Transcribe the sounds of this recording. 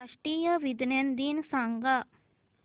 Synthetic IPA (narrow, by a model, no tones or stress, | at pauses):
ɐʂʈiːjɐʋid̪nend̪iːnsɐŋɡa